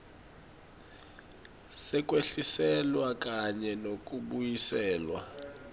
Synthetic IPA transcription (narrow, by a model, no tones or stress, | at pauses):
sɛk̬ʼweɬisɛlwak̬ʼaɲɛnok̬ʼuɓujisɛːlwa̰